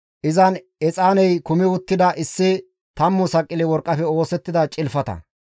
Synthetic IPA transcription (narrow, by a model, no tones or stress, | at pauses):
ʔɪzɐn | ɛt͡sʼaːnɛjkʊmɪwʊt̪ːɪd̪ɐʔɪsːɪ | t̪ɐmːʊsɐkʼːɪlɪwɔɾkʼːɐfɛo̞ːsɛt̪ːɪd̪ɐt͡ʃʼɪlfɐt̪ɐ̰